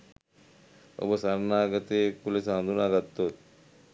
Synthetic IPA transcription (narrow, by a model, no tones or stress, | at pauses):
o̰bosɐɾnaːɡɐt̪ekulesand̪unaɡɐt̪ːot̪̚